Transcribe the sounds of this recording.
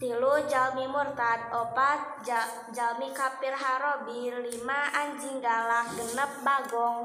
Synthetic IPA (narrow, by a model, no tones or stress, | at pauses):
t̪ilud͡ʒalmimurt̪at̪̚ɔpat̪̚ | d͡ʒalmikapirɦaɾɔbilimaaɲd͡ʒiŋɡalahɡənəp̚baɡɔŋ